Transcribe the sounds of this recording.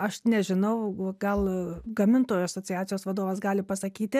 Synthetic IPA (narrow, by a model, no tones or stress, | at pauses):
ɐʃnʲɛʒʲɪnɐʊɡɐlˠɡɐmʲɪnt̪oːjuɐsoːt͡s̪ʲɪjæːtt͡s̪ʲɪjoːsʋɐd̪oːʋɐsɡɑːlʲɪpɐsɐkʲiːt̪ʲɪ